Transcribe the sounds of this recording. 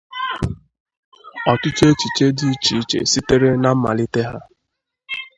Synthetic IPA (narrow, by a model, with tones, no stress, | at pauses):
ɔ˨tʊ˦t͡ʃe˦t͡ʃi˨t͡ʃe˦di˦i˦t͡ʃi˨i˦t͡ʃḛ˨si˦te˦ɾe˦na˦m̩˦ma̰˨li˦te˦ɦa˦